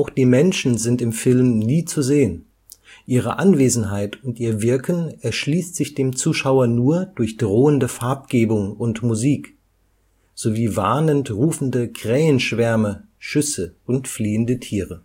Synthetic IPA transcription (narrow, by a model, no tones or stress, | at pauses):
ʔaʊxd̥iːmɛnʃn̩zɪntɪmfɪlmniːt͡suzeːən | ʔiːʁ̞ə̰ʔanveːzn̩ɦaɪtʊntʔiːɐvɪɐkənɛɐʃliːstz̥ɪçd̥eːmt͡suːʃaʊɐnuːɐd̥ʊɐçd̥ʁoːəndəfaɐp̚ɡ̥eːbʊŋʊntmuziːk | z̥oviːva̰ɐnəntʁuːfn̩dəkʁ̥ɛːənʃv̥ɛɐmə | ʃʏsəʔʊntfliːəndətʰiːʁə